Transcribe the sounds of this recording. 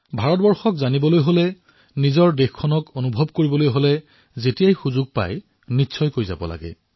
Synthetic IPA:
bʱaɹɔt̚bɔɹxɔkzanibɔlojɦolɛ | nizɔɹdexkʰːɔnɔkonubʱɔbkoɹibɔlojɦolɛ | zetijajxuzʊɡ̚pa̰j | nitːsʰɔjkojza̰bɔ̰la̰ɡɛ̰

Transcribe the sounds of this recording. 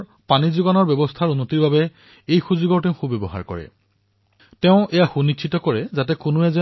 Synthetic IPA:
panizuɡanɔɹbɛbɔstʰaɹunːotiɹbabɛ | ejxuzʊɡɔɹtɛʊ̃xubebɔɦa̰ɹkɔ̰ɹɛ̰ | tɛʊ̃ʔejaxunikʰitɔkɔɹɛzatɛkʊnʊɛzɛ

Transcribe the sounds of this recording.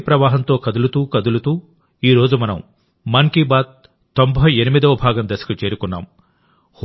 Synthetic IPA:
pɾɐʋaːɦɐnt̪o̞ːkɐd̪ulut̪uːkɐd̪ulut̪uː | iːɾo̞ːd͡ʒumɐnɐ̰m | mɐŋkibaːd̪̚ | t̪o̞mbʱɐjenimid̪ɐʋɐbʱaːɡɐmd̪ɐsɐ̥kɐt͡ʃe̞ːɾukunːa̰ːm | h

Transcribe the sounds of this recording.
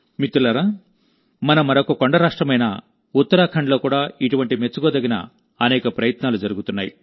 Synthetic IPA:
mit̪ːulɐɾa | mɐnɐmɐɾokɐkoɳɖɐɾaːʂʈɾɐmɐjnɐ̰ | ut̪ːɐɾaːkʰɐɳɖlo̞ːkuːɽaːiʈuʋɐɳʈimet͡ʃːuɡoːd̪ɐɡinɐ̰ | ɐnɛːkɐpɾɐjɐt̪naːlud͡ʒɐɾuɡut̪unːaːjḭ

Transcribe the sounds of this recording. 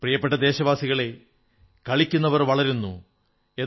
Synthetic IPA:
prijɐpːe̞ʈ̬ːɐd̪e̞ːɕɐʋaːsiɣɐɭe̞ | kɐɭikʲːunːɐʋɐrʋɐɭɐɾunːṵ | e̞

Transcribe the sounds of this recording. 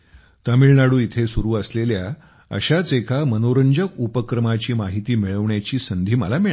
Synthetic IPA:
t̪əmiɭɳaɽuːit̪ʰesuɾuːəslelja | ə̰ɕat͡sekʰamənoɾəɲd͡ʑəkupəkɾəmat͡ɕiːmaɦit̪iːmiɭəʋɳjat͡ɕiːsənd̪ʱiːmə̰lamiɭ

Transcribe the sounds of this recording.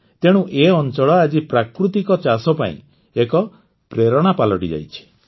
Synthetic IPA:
t̪eɽ̃ũʔeɔnt͡ʃɔɭɔad͡ʒipɾakɾut̪ikɔt͡ʃasɔpaḭ̃ | ekɔ | pɾeɾɔɽ̃apalɔʈid͡ʒa̰jt͡ʃʰi̥

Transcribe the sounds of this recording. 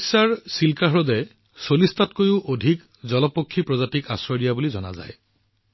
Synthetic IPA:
saɹsilkaɦɹɔdɛ | solistatkojʊʔodʱik | zɔlɔpokʰːipɹɔzatika̰sɹɔɹijabulizɔna̰za̰j

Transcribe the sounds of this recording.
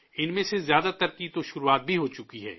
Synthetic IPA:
ɪnmẽsezjaːd̪at̪ɐɾkit̪oʃʊɾuaːt̪̚bʱiɦoːt͡ʃʊkiɦɛ̰ː

